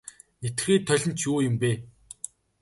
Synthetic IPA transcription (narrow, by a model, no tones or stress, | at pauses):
et̪ɡxeːt̪ʰːœɮʲɪ̆nt͡ɕʰjuːjɪ̆mpeː